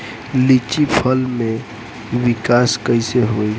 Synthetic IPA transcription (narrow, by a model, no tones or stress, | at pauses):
lit͡ʃipʰəlmẽ | wikaskəiseɦoi